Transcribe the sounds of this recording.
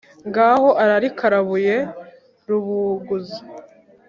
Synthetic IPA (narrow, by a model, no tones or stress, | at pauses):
ŋɡaho̞ʔaɾaɾikʰaɾaβuje̞ | ɾuβuɡuzi